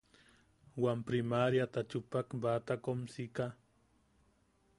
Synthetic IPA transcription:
wampɾimaɾjat̪at͡ʃʊpakbat̪akomsika

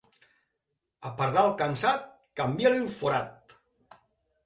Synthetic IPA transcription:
apaɾðalˠkansat̪̚ | kambjalilfoɾat̪̚

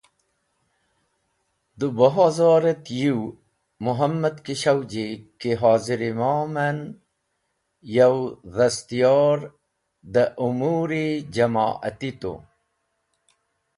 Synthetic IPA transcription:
d̪ubɐɦaːzaːɾet̪jiw | muɦɐmːɐd̪kiɕɐwd͡ʑikiɦaːziɾimaːmɐn | jawðɐst̪ijɑːɾ | d̪aʔumuːɾid͡ʑɐma̰ːʔɐ̰t̪it̪o̰

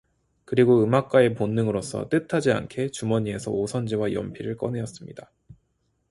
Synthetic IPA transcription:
kɯɾiɡoɯmak̚k͈ae̞ponːɯŋɯɾos͈ʰʌ̰t͈ɯtʰad͡ʑia̰nkʰe̞t͡ɕumʌɲie̞sʰʌ̰osʰʌnd͡ʑiwajʌ̰mpʰiɾɯɭk͈ʌnejʌs͈ɯmɲida

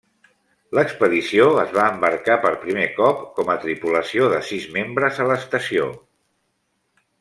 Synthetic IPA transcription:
ləkspəðisioəzβaəmbəɾkapəɾpɾimekɔpkɔmət̪ɾipuləsioðəsizmembɾəzələst̪əsio

